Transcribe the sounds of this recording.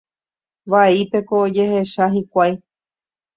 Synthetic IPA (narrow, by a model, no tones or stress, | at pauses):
ʋaipe̞koːd͡ʒe̞he̞ʃaɦikʷaj